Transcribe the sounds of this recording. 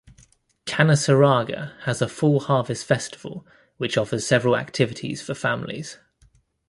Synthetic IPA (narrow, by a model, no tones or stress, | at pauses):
kʰanəsəɹɑːɡə̰əzəfʊlˠhɑːvɪstfɛstɪ̥v̥ə̰lˠ | wɪt͡ʃɒfəz̥sɛvəɹəla̰k̚tʰɪvɪtʰḭz̥fəfãmlḭz̥